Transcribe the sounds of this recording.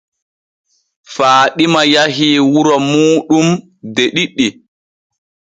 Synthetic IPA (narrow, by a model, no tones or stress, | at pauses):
faːɗimajaɦiːwuɾɔmuːɗum | deɗiɗːi